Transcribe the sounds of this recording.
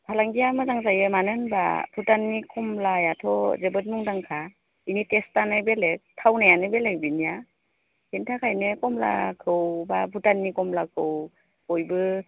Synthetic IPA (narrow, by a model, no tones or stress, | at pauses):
pʰalaŋɡijamɯzaŋzajɯmanɯnba̰pʰutanːikɔmlajatʰɔzebɯt̚muŋdaŋkʰa | initestanɯjbelek̚tʰawnajanɯbelek̚binija | hintʰakʰajnɯkɔmla̰kʰɯwbabʰutanːikɔmlakʰɯw | kɔjbɯ